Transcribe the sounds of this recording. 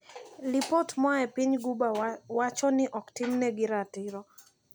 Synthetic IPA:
lipotmaɛpiɲɡubawat͡ʃɔnɪʔɔktɪmnɛɡɪɾatɪɾɔ

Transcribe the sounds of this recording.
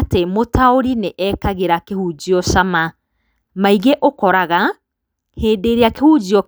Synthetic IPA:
temotaoɾineʔɛkaɣeɾakehud͡ʑiɔʃama | maiɣeʔokɔɾaɣa | heːdeɾeakehud͡ʑiɔ

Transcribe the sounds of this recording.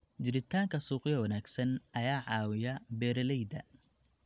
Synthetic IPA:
d͡ʒɪɾɪt̪ʰaːŋkʰɐsuːqɪjɐwɐnaːɡsɐnʔɐjaːʕɑːwɪjɐbɛːɾɐlɛjd̪ɐ̰

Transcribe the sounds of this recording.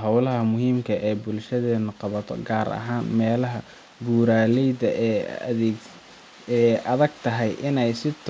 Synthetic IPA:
ɦɑwlɐɦɐmʊɦiːmkʰɐʔɛːbʊlʃɐðɛːnʊqɑβɐt̪ʰɔ̰ɡaːɾɐ̰ɦaːnmɛːlɐɦɐ | buːɾaːlɛjdɐʔːðɛ | ɛːʔɐðɐɡ̚t̪ʰɐɦɛjʔɪnɛjsɪt̪ʰ

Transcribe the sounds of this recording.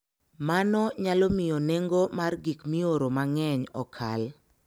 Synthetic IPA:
manɔɲalɔmɪjoneŋɡomarɡikmioɾomaŋɛɲɔ̰kʰa̰l

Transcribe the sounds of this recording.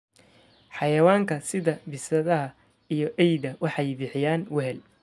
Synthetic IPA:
ħɑjɐwaːŋkʰɐsɪðɐbɪsɐðɐɦɐ | ijɞʔɛjdɐwɑħɑjbɪħɪjaːnwɛɦɛl

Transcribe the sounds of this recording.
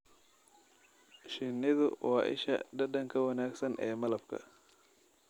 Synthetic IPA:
ʃɪnɪðʊ̰wɑːʔɪ̰ʃɐ̰ɖɐɖɐŋkʰɐwɐnaːɡsɐnʔɛːmɐlɐb̥̚kʰɐ̰

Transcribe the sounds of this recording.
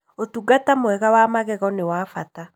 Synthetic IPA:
otuɡatamoɛɣawamaɣɛɣɔnewaːfata

